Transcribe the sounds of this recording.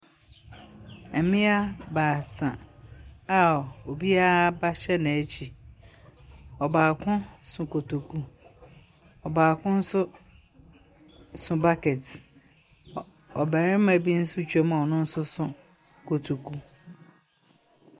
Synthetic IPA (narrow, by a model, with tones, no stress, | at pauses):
æ˨mĩ˦a˦baː˨sã˨ | a˨o˨bi˦a˦ba˦ɕɛ˦nã˨æ˨t͡ɕʰi˨ | ɔ˨baː˨kʰʊ̃˦sʊ̃˨kʰo˨tʰu˨kʰu˨ | ɔ˨baː˨kʰʊ̃˦n̩˦sʊ˦ | sʊ̃˨ba˦kɛ˨t | ɔ˨bæ˨ɾɪ̃˦m̩˦mã˨˦bi˦n̩˦sʊ˦t͡ɕʰᶣu˦ɛ˦mã˨ɔ˨nʊ̃˦n̩˦sʊ˦sʊ̃˨ | kʰo˨tʰu˨kʰu˨